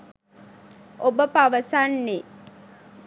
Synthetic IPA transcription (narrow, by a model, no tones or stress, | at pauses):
ʔobəpaʋəsanːe